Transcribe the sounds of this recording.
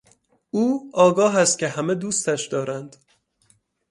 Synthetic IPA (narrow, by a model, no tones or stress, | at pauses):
uːɒːɡɒːɦæst̪̚cʰe̞ɦæme̞d̪uːst̪æʃd̪ɒːɾænd̪̥